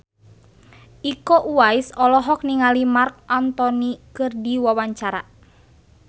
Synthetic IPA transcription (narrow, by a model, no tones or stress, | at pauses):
ʔikɔʔuaisɔlɔɦɔk̚niŋalimark̚ant̪ɔnikɨrdiwawaɲt͡ʃaɾa̰